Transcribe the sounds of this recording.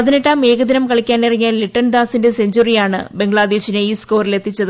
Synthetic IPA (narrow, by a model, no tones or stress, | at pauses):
pɐðiniʈːaːme̞ːɣɐd̪inɐmkɐɭikʲːaːnnirɐŋːaːlːiʈːɐnd̪aːsinde̞seɲd͡ʑurijaːɳɨ̰be̞ŋɡɭaːd̪eːɕineiːsko̞ːrile̞t̪ːit͡ɕːɐðɨ